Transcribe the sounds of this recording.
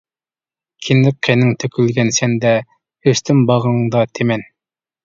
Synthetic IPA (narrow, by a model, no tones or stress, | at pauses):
kʲʰinlɪk̚qʰenɪŋt̪ʰøkʲʰylɡʲɛnsɛnd̪ɛ | øst̪ʰymbɑʁəɴd̪ɑt̪ʰemɛn